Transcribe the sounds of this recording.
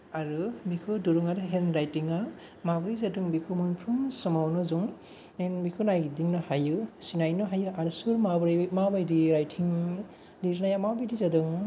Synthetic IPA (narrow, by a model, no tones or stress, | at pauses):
aɾɯmikʰɯduɾuŋaɾɯɦenɾajtiŋa | mabɾizadɯŋbikʰumunpʰɾuŋsɯmawnɯzuŋ | enbikʰunajdiŋnɯhajɯsinajnɯɦajɯʔaɾusuɾmabɾmabajdiɾajtʰiŋ | liɾnajamabidizadɯŋ